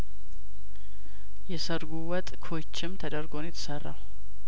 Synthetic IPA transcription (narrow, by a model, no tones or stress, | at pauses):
jɛsəɾɡuwət̪ʼkʰo̞t͡ʃːɪmt̪ʰəd̪əɾɡo̞njɛt̪ʰə̥sərːa̰w